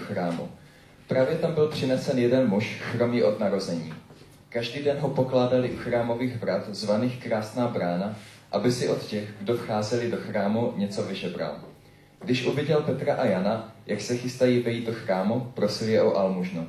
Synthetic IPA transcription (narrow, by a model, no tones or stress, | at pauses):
xɾaːmṵ | pɾaːvjɛt̪ambɪlpr̝̥ɪnɛsɛnjɛdɛnmuʃxɾo̞mɲɛʔo̞d̪naɾo̞zɛɲiː | kaʒdiːdɛnɦo̞po̞klaːdalɪʔuxɾaːmo̞viːɣvɾat̪zvaniːxkɾaːsnaːbɾaːna | ʔabɪsɪʔo̞t̪cɛɣɡdo̞fxaːzɛlɪdo̞xɾaːmuɲɛt͡so̞vɪʒɛbɾa̰l | ɡ̥dɪʃʔuvɪɟɛlpɛt̪ɾaʔajanajaksɛxɪst̪ajiːvɛjiːd̪̚do̞xɾaːmupɾo̞sɪljɛʔo̞ʔalmuʒno